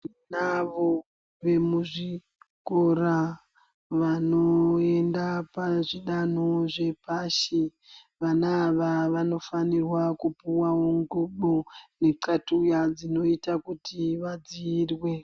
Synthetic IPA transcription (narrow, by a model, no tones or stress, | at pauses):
inaʋo | ʋe̞muʐi | kora | ʋanoe̞ndapaʐiɗanoʐe̞paʃi | ʋanaːʋaʋano̞fanirwakupuwawo̞ŋɡuɓone̞ǀatujad͡zino̞itakutʰiʋad͡ziːrwe